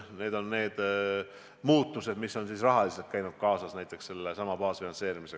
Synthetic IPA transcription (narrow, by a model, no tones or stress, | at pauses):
ne̞ːd̪̥o̞nːe̞ːd̪̥ | muːt̪ːˑuse̞d̪̥misːo̞nsisrɑɦɑlise̞lt̪̚kæjnud̪̥̚kɑːsɑsnæjt̪ˑːe̞ksse̞lːesɑmɑbɑːsfinɑnse̞ːɾimise̞